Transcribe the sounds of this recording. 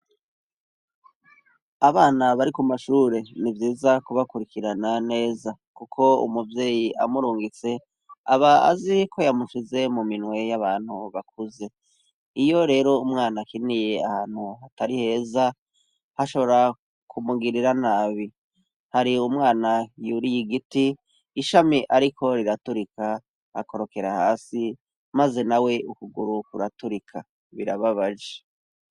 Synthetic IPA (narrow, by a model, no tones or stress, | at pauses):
aβaːnaβaɾikumaʃuːɾe̞nivjiːzakuβakuɾikiɾanane̞ːzakukʰo̞ṵmuvjeːjiʔa̰muɾuːŋɡit͡se̞ | aβaa̰zikʰo̞jamuʃize̞muminwe̞jaβaːn̥huβak̚uze̞ | ijo̞ɾe̞ːɾo̞umŋaːnakinije̞a̰haːn̥huhataɾihe̞ːza | haʃo̞βo̞ɾa | kʰumuɡiɾiɾanaːβi | haɾiumŋaːnajuɾijiɡitiː | ʃamiʔaɾikʰo̞ɾiɾatuɾikʰa | a̰ko̞ɾo̞ke̞ɾahaːsi | maze̞nawe̞ukuɡuɾukuɾatuɾikʰa | βiɾaβaβaʒe